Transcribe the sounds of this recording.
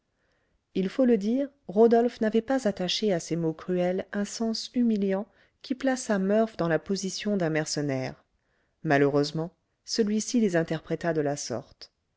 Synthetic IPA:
ilfoləd̪iːʁ | ʁod̪ɔlfnavɛpazat̪aʃeasemokχyɛlɛ̃sɑ̃symiljɑ̃ | kʲʰiplasamœʁfd̪ɑ̃lapozisjɔ̃d̪ɛ̃mɛʁsənɛʁ | maløʁøzmɑ̃ | səlɥisilezɛ̃t̪ɛʁpχɛt̪ad̪əlasɔ̰ʁt̪

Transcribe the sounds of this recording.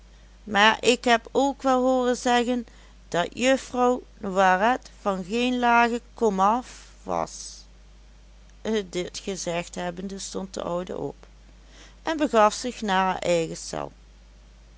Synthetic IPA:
maːɹʔɪkɦɛpowkʋɛlˠɦoːrənzɛɣən | d̥ɑtjøfrɔw | nowarɛtfɑnɣejnlaːɣəkɔmɑf | ʋɑ̰s | dɪtxəzɛxtɦɛbəndəstɔnt̚də̰ʔɔwdə̰ʔɔ̰p | ʔɛnbəɣɑfsɪxnaːəʔɛjɣəsɛ̰lˠ

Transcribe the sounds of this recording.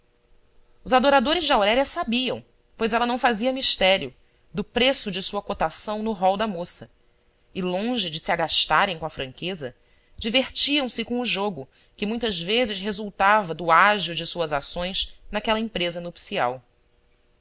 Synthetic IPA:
ʊzad̪oɾad̪oɾɪzd͡ʒɪawɾɛɾiɐsabiɐ̰̃w̃ | pojzɛlɐnɐ̃w̃faziɐmiʃt̪ɛɾiʊ | d̪ʊpɾesʊd͡ʒɪsuɐkot̪asɐ̃w̃nʊɦɔwd̪ɐmosɐ | ɪlõʒɪd͡ʒɪsiaɡaʃt̪aɾẽj̃kõɐfɾɐ̃ŋkezɐ | d͡ʒiveχt͡ʃiɐ̃w̃sɪkõʊʒoɡʊ | kɪmũj̃t̪ɐzvezɪʃɦezuwt̪avɐd̪ʊaʒʊd͡ʒɪsuɐzasõj̃snakɛlɐẽpɾezɐnopsia̰w

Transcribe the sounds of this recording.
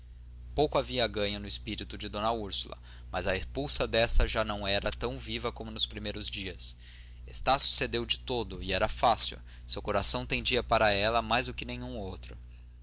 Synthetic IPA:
powkʊaviɐːɡɐ̃ɲɐnʊɪspiɾit̪ʊd͡ʒɪd̪õnɐuɾsulɐ̰ | mɐzɐespuwsɐd̪ɛsɐʒanɐ̃w̃ɛɾɐt̪ɐ̃w̃vivɐkõmʊnʊspɾimejɾʊzd͡ʒiɐs | est̪asjʊ̥sed̪ewd͡ʒɪt̪od̪ʊɪɛɾɐfasḭw | sewkoɾasɐ̃w̃t̪ẽj̃d͡ʒiɐpaɾɐɛlɐmajzd̪ʊkɪnẽjɲ̃ũowt̪ɾʊ

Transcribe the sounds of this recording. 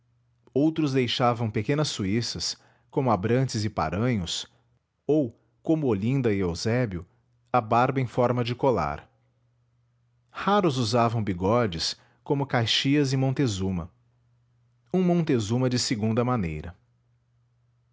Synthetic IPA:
owt̪ɾʊzd̪ejʃavɐ̃w̃pekẽnɐsːuisɐs | kõmʊabɾɐ̃nt͡ʃɪzɪpa̰ɾɐ̃ɲʊs | ow | kõmʊolĩnd̪ɐɪewzɛbjʊ | ɐbaɾbɐẽj̃fɔɾmɐd͡ʒɪkola̰ɾ | haɾʊzuzavɐ̃w̃biɡɔd͡ʒɪs | kõmʊkajʃiɐzɪmõnt̪ezũmɐ̰ | ũmõnt̪ezũmɐd͡ʒɪseɡũnd̪ɐmɐ̃nḛjɾɐ

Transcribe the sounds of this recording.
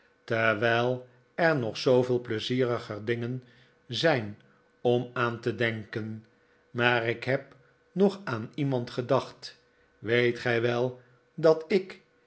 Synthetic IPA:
təɹʋɛjlˠ | ɛɹnɔχsowvɪːlˠpləziːrəχərdɪŋən | zɛjn | ɔmaːntədɛŋkən | maːɾɪkɦɛp | nɔχaːnimɑntχədɑχt | ʋejtχɛjʋɛlˠ | dɑtɪk

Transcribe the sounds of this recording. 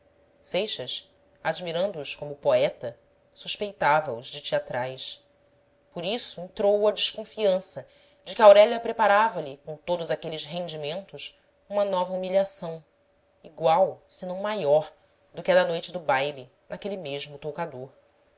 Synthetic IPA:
sejʃɐs | ad͡ʒmiɾɐ̃nd̪ʊːskõmʊpoɛt̪ɐ | suʃpejt̪avɐʊzd͡ʒɪt͡ʃiat̪ɾajs | poɾisʊẽnt̪ɾowɐd͡ʒɪʃkõfiɐ̃sɐ | d͡ʒɪkʲɪawɾɛlɐpɾepaɾavɐlɪkõt̪od̪ʊzakelɪsɦẽnd͡ʒimẽnt̪ʊʃ | ũmɐnɔvɐumiʎʲiasɐ̃w̃ | iɡwawsɪnɐ̃w̃majɔɾ | d̪ʊkɪɛd̪ɐnojt͡ʃɪd̪ʊbajli | nakelimeʒmʊt̪okad̪oɾ

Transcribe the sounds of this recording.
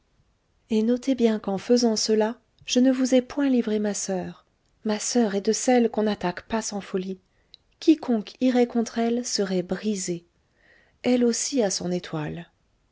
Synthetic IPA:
enɔt̪ebjɛ̃kɑ̃fəzɑ̃səla | ʒ̥ənəvuzɛpwɛ̃livʁemasœːʁ | masœʁɛd̪əsɛlkɔ̃nat̪akpasɑ̃fɔli | kʲikʰɔ̃kiʁɛkɔ̃t̪χɛlsəʁɛbʁize | ɛlosiasɔ̃net̪ʰwal

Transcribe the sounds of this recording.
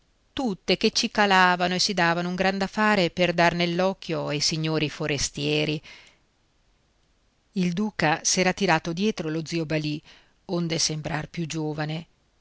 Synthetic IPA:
t̪ut̪ːeket͡ʃikalaːvanoesid̪aːvanouŋɡɾand̪afːaːɾeperd̪arnelːɔkʰːjoajsiɲːoːɾifoɾest̪jɛːɾi | ild̪uːkasɛːɾat̪iɾaːt̪od̪jɛːt̪ɾolod̪ziobali | ond̪esembɾarpjud͡ʒoːvane

